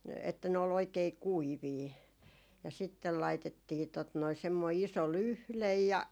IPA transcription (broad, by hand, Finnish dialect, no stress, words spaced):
etːæ ne ol oikei kuiʋiː jɑ sitːel lɑitetːiː tot noi semːoi iso lyhlej jɑ